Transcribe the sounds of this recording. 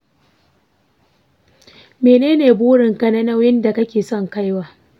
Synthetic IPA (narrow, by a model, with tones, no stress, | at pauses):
meː˨neː˦neː˨buː˦ɽɪ˨ŋkɐ˦na˦na˦wjɪ˦nda˨kɐ˦kʲeː˨sɔ˦˨ŋka˦jwaː˦